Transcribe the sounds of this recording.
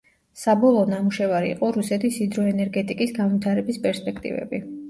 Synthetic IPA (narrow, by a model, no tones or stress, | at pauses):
sabɔlˠɔnamuʃɛvaɾḭːqʼɔɾusɛt̪ʰisid̪ɾɔɛnɛɾɡɛt̪ʼikʼisɡanvit̪ʰaɾɛbispʼɛɾspʼɛkʰt̪ʼḭvɛ̰bi